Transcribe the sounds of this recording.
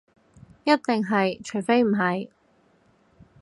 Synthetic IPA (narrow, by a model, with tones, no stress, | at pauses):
jɐ˥t̚t̪e˨ŋɦɐ˨jt͡ʃʰɵ˨˩fe˥jm̩˨˩ɦɐ˨j